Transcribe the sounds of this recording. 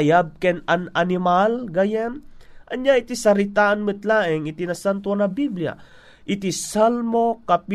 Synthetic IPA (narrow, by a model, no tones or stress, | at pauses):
jab̚kɛnananɪmalɡajanʔɐɲjaɪt̪isɐɾɪt̪aʔɐnmɨt̪laːʔɪŋɪt̪inɐsant̪wanɐbiblija̰ | ʔɪt̪isalmokap